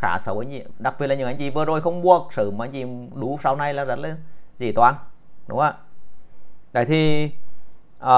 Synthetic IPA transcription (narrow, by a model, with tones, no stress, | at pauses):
xaː˧˩sə˧˦wʔa˧jŋ̟t͡ɕḭ˧˩ɗa˨˩k̚ɓi˨˩əlaː˨ɲɨ˨˩ʔa˧jŋ̟t͡ɕḭ˧˨˩vɨː˨əzo˨˩jxə˧wŋ͡mɓu˧˩ək̚sɨ̰˧˩mː˨˩ʔa˧jŋt͡ɕḭ˧˨˩ɗu˨˦sa˧wna˧jlaː˨˩zə˦˥t̚laː˨˩zḭ˧˩t̪waː˧˩nɗʊ̰˨˦ŋ͡mʔaː˧˩ | ɗa̰˧˨˩jt̪ʰi˨˩ | ʔəː˨